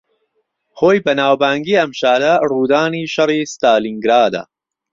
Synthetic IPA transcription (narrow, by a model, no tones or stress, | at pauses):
xoːjbɐnaːwbaːŋɡiːɐmʃaːdɐruːd̪aːniːʃɐriːst̪aːliŋɡɾaːd̪ɐ̰